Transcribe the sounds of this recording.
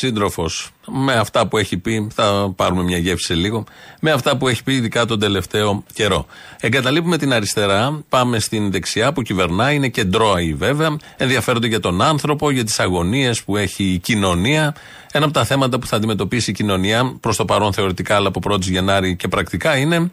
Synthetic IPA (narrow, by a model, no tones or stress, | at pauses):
sind̪ɾo̞fo̞smeɐft̪ɐpue̞çipiθɐpɐɾume̞mɲɐʝe̞fsi̥seliɣo̞me̞ɐft̪ɐpue̞çi̥piːðikɐt̪o̞nd̪e̞le̞ft̪e̞o̞ce̞ɾo̞̰e̞ŋɡɐt̪ɐlipume̞t̪inɐɾist̪e̞ɾɐpɐme̞st̪inðe̞ksiɐpucive̞ɾnɐine̞ce̞nd̪ɾo̞ɐive̞veɐ | e̞nðiɐfeɾd̪eʝɐt̪o̞nɐnθɾo̞po̞ʝɐt̪̬i̥sɐɣo̞nie̞spue̞çiːcino̞niɐ | e̞nɐp̬ot̪ɐθe̞mɐt̪̬ɐpu̥θɐːnd̪ime̞t̪o̞pisiːcino̞niɐpɾost̪o̞pɐɾo̞nθe̞o̞ɾit̪ikɐːlɐpopɾo̞t̪izʝe̞nɐɾice̞pɾɐkt̪ikɐine̞